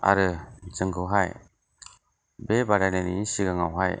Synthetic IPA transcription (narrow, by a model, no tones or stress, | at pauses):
a̰ɾɯzɯŋɡɯwɦaj | bebaɾanenisiɡaŋawɦaj